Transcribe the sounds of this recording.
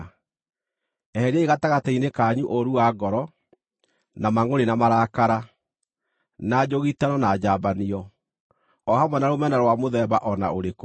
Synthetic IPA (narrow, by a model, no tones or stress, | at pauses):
ɛhɛɾɛiɣataɣatainekaɲuʔoɾuaɡɔɾɔ | namaŋoɾenamaɾakaɾa | nad͡ʑoɣitanɔnad͡ʑaːbaniɔ | ɔhamwɛnaɾomɛnaɾwamoðɛbaʔɔna̰oɾeko